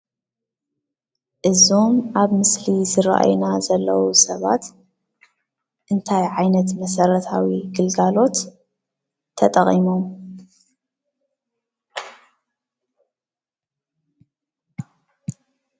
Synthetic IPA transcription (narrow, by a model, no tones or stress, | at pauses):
ʔɨzo̞mʔaβmɨslizɨɾa̰ʔa̰jnazɐlːɐwusɐβa̰t̪ | ʔɨnt̪ʰajʕajnɐt̪mɐsɐɾɐt̪ʰawiɡɨlɡalo̞t̪ | ɐt̪ʼɐχʼimo̞m